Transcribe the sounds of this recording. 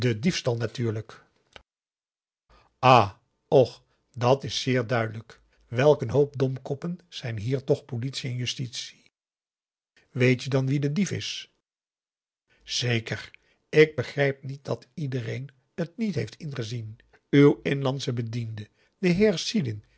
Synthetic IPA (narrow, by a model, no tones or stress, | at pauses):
dədifstɑlˠnatyːɹlək | ʔaː | ɔχ | dɑtɪsːɪːɹdœɥdələk | ʋɛlˠkənɦowp̚dɔmkɔpənz̥ɛjnɦiːɹtɔχpolitsiɛnjystitsi̥ | ʋejtjədɑnʋidədifɪ̰s | z̥ejkər | ɪɡ̚bəχrɛjp̚nit̚dɑtidərejn | ətnitɦejftɪnχəzin | ywɪnlɑnsəbədində | d̥əɦɪːɹsidɪn